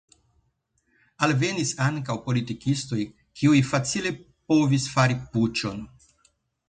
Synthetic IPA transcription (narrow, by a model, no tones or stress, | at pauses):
alve̞nisaŋkawpo̞litikisto̞j | kʰiujfat͡sile̞ | po̞visfaɾiput͡ʃo̞n